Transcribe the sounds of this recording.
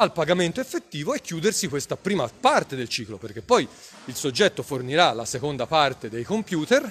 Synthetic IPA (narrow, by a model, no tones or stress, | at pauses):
alpaɡament̪oefːet̪ːiːvoɛkːjuːd̪ersikwest̪apɾiːmapart̪ed̪elt͡ʃiːkloperk̟epːɔj | ilsod͡ʒːɛt̪ːoforniɾala̰sekond̪apart̪ed̪ejkompjuːt̪er